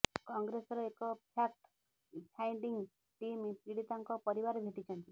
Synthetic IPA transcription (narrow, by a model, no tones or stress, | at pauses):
kɔŋɡɾesɔɾɔekɔpʰjak̚ʈ | pʰajɳɖiŋɡ | ʈimpiɽit̪aŋkɔpɔɾibaɾɔbʱeʈit͡ʃʰɔnt̪i